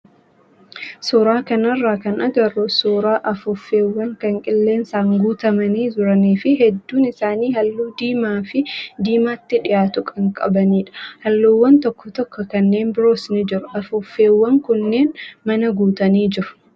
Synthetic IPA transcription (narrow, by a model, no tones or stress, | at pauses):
sɔːɾaːkɐnɐrːaːkɐnʔɐɡɐɾɔsoːɾaːʔɐfʊfːe̞ːwːɐŋkɐŋkʼɪlːe̞ːnsaːŋɡuːt̪ɐmɐniːd͡ʒʊɾɐniːfɪɦɛd̪ːuːnɪsaːniːhɐlːuːd̪iːmaːfɪd̪iːmaːt̪ːɪᶑɪjaːt̪ʊkʼɐŋkʼɐ̰bɐniːᶑɐ̥hɐlːuːwːɐnt̪ɔkːɔt̪ɔkːɔkɐnːe̞ːmbɪɾo̞ːsnɪd͡ʒɪɾʊɐfʊfːe̞ːwːɐŋkʊnːe̞ːnmɐnɐɡuːt̪ɐniːd͡ʒɪɾʊ̥